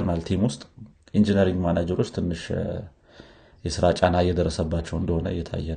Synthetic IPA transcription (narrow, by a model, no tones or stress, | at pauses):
ɾnalt̪ʰimwʊst̪ʼ | ʔind͡ʒinəɾiŋɡmanad͡ʒɛɾo̞t͡ʃːt̪ʰɨnːɨʃ | jɛsɨɾat͡ʃʼanːajɛd̪ərːəsəbːat͡ʃːɛwɨnd̪əho̞nə̰ɨjːɛt̪ʰa̰jːɛn